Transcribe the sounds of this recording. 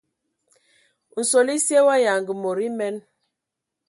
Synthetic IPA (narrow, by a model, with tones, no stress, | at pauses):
n̩˨so˨li˦sje˦wa˦ja˨ŋɡə˨mo˨ɾi˦mɛ˦n